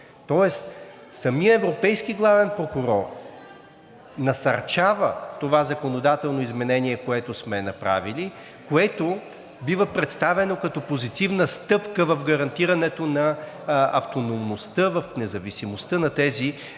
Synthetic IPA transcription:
t̪ɔɛst̪ | sɐmiəɛvɾopɛjskiɡlˠavɛnpɾokuɾɔɾ | nɐsɐɾt͡ʃavət̪ovazɐkonod̪at̪ɛlˠnoizmɛnɛniɛkoɛt̪osmɛnɐpɾa̰vili | koɛt̪o | bivəpɾɛt̪st̪avɛnokɐt̪ɔpozit̪ivnəst̪ɤpkəvɐfɡɐɾɐnt̪iɾɐnɛt̪onɐ | ɐ̰ft̪onomnost̪əvɐfnɛzɐvisimost̪ənɐt̪ɛzi

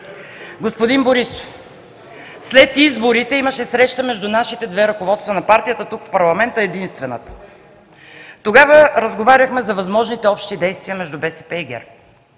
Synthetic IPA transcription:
ɡospod̪inboɾiso̥f | slɛt̪izboɾit̪ɛiməʃɛsɾɛʃt̪əmɛʒd̪unaʃit̪ɛd̪vɛɾɐkovɔt̪st̪vənɐpaɾt̪ijət̪ət̪ukfpɐɾlˠɐmɛnt̪əɛd̪inst̪vɛnə̰t̪ə̥ | t̪oɡavəɾəzɡovaɾʲəxmɛzɐvɐzmɔʒnit̪ɛɔpʃt̪id̪ɛjst̪viəmɛʒd̪ubɛsɛ̥pɛiɡʲɛ̰ɾ

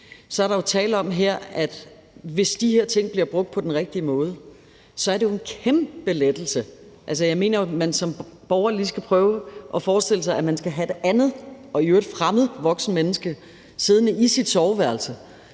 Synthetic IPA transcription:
sɒ̽æɐɾɑ̈jo̝t͡sʰɛ̰ːlɒ̽mɦeɐ̰æd̥ | ʋe̝sd̥iheɐ̰t͡sʰe̝ŋ̰b̥liɐb̥ʁɔ̽ɡ̥̚d̥̚pʰɒ̽d̥enʁɛɡ̥̚d̥iəmɔ̽ːð̞ˠə | sɒ̽æɐdejo̝e̝nkʰemb̥əled̥l̩səʔæls̬əjɑ̈ɪme̝̰ːnɐmænsɒ̽mb̥ɒʊɐlisɡ̥æpʰʁœːʊʔɒ̽fɒːsd̥e̝ləsɑ̈ɪæmænsɡ̥æɦæd̥e̝ʔænð̞̩ˠ | ɒ̽iøɐd̥fʁamð̩ˠʋɒ̽ɡ̥sn̩menəsɡ̥ə | seð̞ˠnəisid̥sɒʊʋæɐlsə

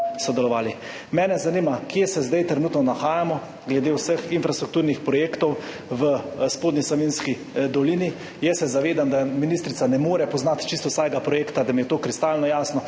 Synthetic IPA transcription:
sɔd̪ɛlɔʋaːli | mɛːnɛzaniːmakjesɛzd̪ajt̪ɾɛnut̪nɔnaxaːjamɔ | ɡlɛd̪eːwsəxinfɾast̪ɾukt̪uːɾnixpɾɔjeːkt̪ɔw | ʋəspoːd̪nisaʋinski | d̪ɔliːni | jɛsːɛzaʋeːd̪amd̪aminist̪ɾit̪sanɛmoːɾɛpɔznat̪t͡ʃist̪ɔwsaːɡapɾɔjeːkt̪ad̪amijɛt̪oːkɾist̪alnɔjaːsnɔ

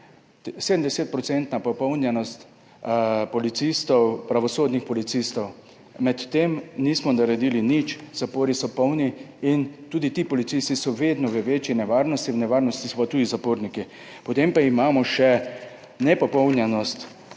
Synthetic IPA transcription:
seːd̪md̪ɛseːt̪̚pɾɔtsɛnt̪napɔpɔwnjɛnɔst̪ | pɔlit̪sist̪ɔwpɾaʋɔsoːd̪nixpɔlit̪sist̪ɔw | mɛt̪ːemniːsmɔnaɾɛd̪iːlinit͡ʃz̥apoːɾisɔpɔwniint̪uːd̪it̪iːpɔlit̪sist̪isɔʋed̪nɔʋəʋeːt͡ʃjinɛʋaːɾnɔst̪iwnɛʋaːɾnɔst̪isɔpat̪uːd̪izapoːɾniki | pɔt̪empaimaːmɔʃɛ | nɛpɔpɔwnjɛnɔst̪

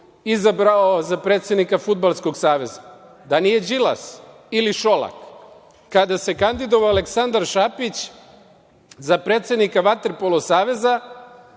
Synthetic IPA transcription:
izabɾaozapɾe̞ːt̪sje̞d̪nikafud̪̚balˠsko̞ɡsaːʋe̞za | d̪anije̞d͡ʑila̰s | iliʃolˠa̰kː | ad̪ase̞kand̪id̪oʋaaleksand̪aɾʃapit͡ɕ | zapɾeːt̪sʲjed̪nikaʋat̪eɾpolˠosaːʋe̞za

